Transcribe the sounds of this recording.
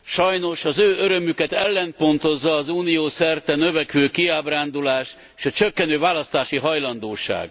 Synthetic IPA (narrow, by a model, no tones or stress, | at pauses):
ʃɒjno̞ʃɒzøːøɾømykɛt̪ɛlːɛnt̪̚po̞nt̪o̞zːɒːzuːnijoːsɛrt̪ɛnø̞vɛkʋøːkiaːbraːnd̪ulaːʃ | eːʃɒt͡ʃøkːɛnøːvaːlɒst̪aːʃiɦɒjlɒnd̪oːʃa̰ːɡ